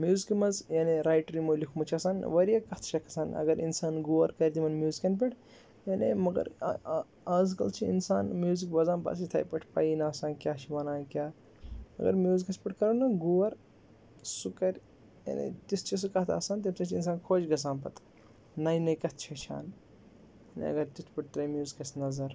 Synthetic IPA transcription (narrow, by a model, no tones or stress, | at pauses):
mjuːzikimɐzjaːneɾaːjʈɾimolikʰmɐt͡ʃʰɐsaːnʋɐɾijakɐt̪ʰt͡ʃʰɐkʰɐ̥saːnɐ̰ɡɐɾḭnsaːnɡuːʋɐɾkɐɾʲt̪imɐnmjuːzikɐnpiʈʰ | jaːnḛmɐɡɐ̰ɾ | aːzkɐlt͡ʃʰiinsaːnmjuːzikbɐzaːnba̰sit̪ʰɐ̰jpʲɐʈʰpɐ̰ːinaːsaːnkʲjaːt͡ʃʰiʋɐnaːkʲjaː | ɐ̰ɡɐ̰ɾmjuːzikɐspiʈʰkɐɾɐnɐɡuːɐɾ | sukɐɾʲ | jɐ̰nḛt̪isʰt͡ʃis̬ɨkɐt̪ʰa̰ːsaːnt̪ɐmt͡ʃɐt͡ʃʰins̬aːnkʰoːd͡ʒɡɐs̬aːnpɐt̪ʰ | nɐjnɐjkɐt̪̚ʰt͡ʃʰɐt͡ʃʰa̰ːn | jɐnḭɐ̰ɡɐɾt̪it̪ʰpiʈ̚t̪ɾɐmjuːzikɐsnɐzɐɾ